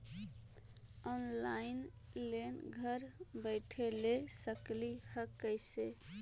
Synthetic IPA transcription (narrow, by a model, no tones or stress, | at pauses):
ɔnlain | lenɡʱəɾbəɪʈʰelesəklihəkːəjse